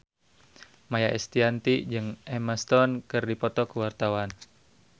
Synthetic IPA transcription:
majaʔɛst̪iant̪id͡ʒɨŋʔɛməst̪ɔnkɨrdipɔt̪ɔkəwart̪awan

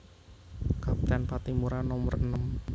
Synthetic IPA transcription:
kapi̥t̪ɛnpat̪imuɾanɔmərənəm

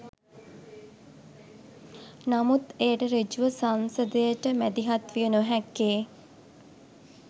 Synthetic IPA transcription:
namut̪eːʈəɾed͡ʒuʋəsansəd̪əjəʈəmæd̪iɦat̪ʋijənoɦækːeː

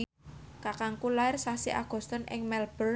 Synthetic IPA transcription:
kakaŋkulaɪrsasiʔa̰ɡ̥ɔ̤st̪ɔnʔɪ̰ŋmɛlb̥ər

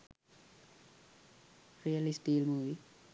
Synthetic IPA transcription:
rijɐlisʈiːlmuːʋi

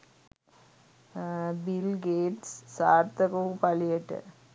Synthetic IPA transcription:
bɪlɡeːʈssaːɾt̪ɐkɐupɐlɪjɛʈːɨ̰

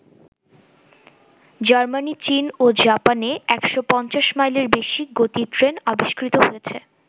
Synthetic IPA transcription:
d͡ʑaɾmanit͡ɕinod͡ʑapaneɛkʃopɔnt͡ɕaʃmajleɾbeʃiɡot̪itɾenabiʃkɾit̪oɦojet͡ɕʰe

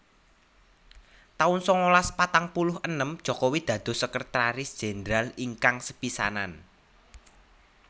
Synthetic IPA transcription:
t̪aʊnsɔŋolaspat̪aŋpulʊhʔənəmd̥ʒ̥ɔ̤kowid̪̥ä̤d̪̥o̤səkərt̪ɾaɾɪsd̥ʒ̥e̤nd̪ɾaliŋkaŋsəpisa̰na̰n

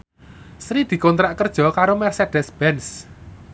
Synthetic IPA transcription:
sɾid̪̥i̤kɔnt̪ɾaʔkərd̥ʒ̥ɔ̤kaɾomɛrsed̥ɛsb̥ɛns

